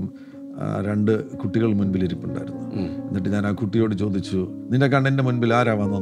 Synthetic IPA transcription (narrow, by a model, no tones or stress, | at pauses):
m̰ | ɾeɳɖɨkuʈːiɣɐɭmunbiliɾipːuɳɖa̰ːjiɾunːuenːiʈːeɲaːnaːkuʈːijo̞ːɽɨt͡ɕo̞ːd̪ʱit͡ɕːuninde̞k̬ɐɳɖindemunbilaːɾaːʋaːnːɐ